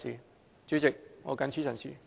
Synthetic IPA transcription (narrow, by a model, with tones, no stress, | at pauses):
ḭ˨˧ | t͡ʃy˨˥t͡sɪ˨k̚ŋɔ̰ː˨˧kɐ˨˥nt͡ʃʰyː˥sɐ˨˩nsḭː˨˩